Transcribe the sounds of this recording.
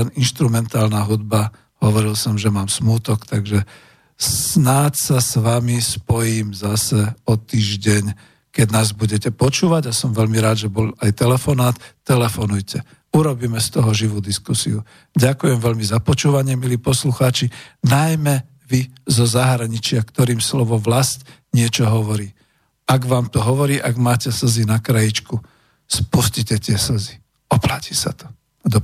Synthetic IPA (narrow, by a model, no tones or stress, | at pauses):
ɛninʃt̪ɾumɛnt̪aːlnaɦud̪ba | ɦɔʋɔɾilsɔmʒɛmaːmsmuːt̪ɔkt̪aɡʒɛ | snaːt̪sasʋamispɔjiːmzasɛɔt̪iːʒɟɛɲ | kɛd̪naːzbuɟɛcɛpɔt͡ʃuːʋaɟasɔmʋɛʎmiɾaːd̪ʒɛbɔlajt̪ɛlɛfɔnaːt̪ːɛlɛfɔnujcʰɛ | uɾɔbiːmɛst̪ɔɦɔʒiʋuːd̪iskusḭu | ɟakujɛmʋɛlmizapɔt͡ʃuːʋaɲɪɛmiliːpɔsluxaːt͡ʃinajmɛ | ʋizɔzaɦɾaɲit͡ʃɪakt̪ɔɾiːmslɔʋɔmʋlasc | ɲɪɛt͡ʃɔɦɔʋɔɾiː | aɡʋaːmt̪ɔɦɔʋɔɾiːʔaɡmaːcɛsəzinakɾajit͡ʃku | spuscicɛt̪ɪɛsəzi | ɔplaci̥sat̪ɔ̥ | d̪ɔ